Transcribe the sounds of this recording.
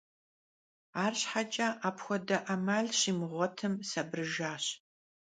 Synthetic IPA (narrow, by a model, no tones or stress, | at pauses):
aːrɕħat͡ʃʼɐʔaːpxʷɔdɐʔɐmaːɮɕimɨʁʷɔtʰɨmsɐbrɨʒaːɕ